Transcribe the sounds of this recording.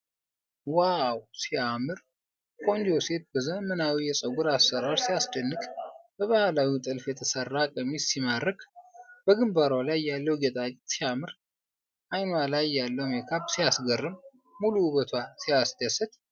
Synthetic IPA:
wawsiamɨɾ | kʼo̞nd͡ʒose̞t̪̚bəzəmənawijɛsʼəɡuɾasːəɾaɾsijasd̪ənːɨkʼb̥əβahalawit̪ʼɨlfjɛt̪ʰəsərːakʼəmisimaɾːəkʰʼb̥əɡɨmbaɾalajːalːəwɡet̪ʼat͡ʃʼt̪siamɨɾ | ʔajnwalajːalːəwmekʰabsijasɡərːɨm | muluβət̪ʰwasijasd̪əsɨt̪

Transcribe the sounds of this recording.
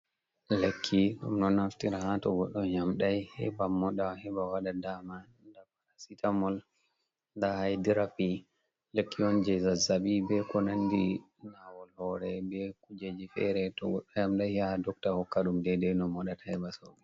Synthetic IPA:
lekʰːiɗṵmnɔnaftiɾahatɔɡɔɗːɔɲamɗajhɛ̰bamɔɗahɛbawaɗadama | ndapaɾasitʰamɔl | ndahajdiɾapi | lekːiɔnd͡ʒɛzazabibɛkɔnandi | nawɔlhɔɾɛbɛkud͡ʒed͡ʒifɛ̰ɾɛtɔɡɔɗːɔjamɗajhiaadɔk̚tahɔkːaɗumdɛdɛnɔmɔɗatḁhɛbaso̰bi

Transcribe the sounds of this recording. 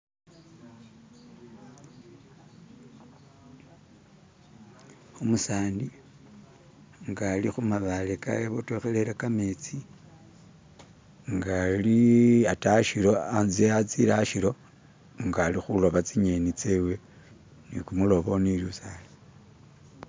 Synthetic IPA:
omusaːndi | ŋɡalixumaβaleka̰jeβotoxeleɾakamet͡si | ŋɡaliataʃiɾo̞anzeat͡silaʃiɾo̞ | ŋɡalixulo̞βat͡siɲenit͡sewe̞ | nḭkumulo̞βo̞nilusale

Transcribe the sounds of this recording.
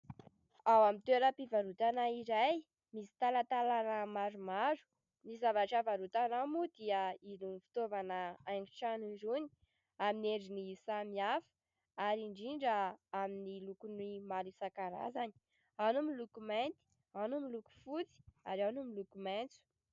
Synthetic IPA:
awamit̪eɾəpivaɾut̪anaiɾaj | misi̥t̪alat̪alanəmaɾumaɾu̥ | misizavaʈ͡ʂavaɾut̪anamud̪iəinunfi̥t̪ovanəajɖ͡ʐi̥ʈ͡ʂaniɾuni̥ | amineɖ͡ʐinisamiafə̥ | aɾiɳɖ͡ʐiɳɖ͡ʐəaminilukunimalisakaɾa̰zani̥ | anumilukument̪i̥ | anumiluku̥fut͡si̥a̰ɾanumilukument͡su̥

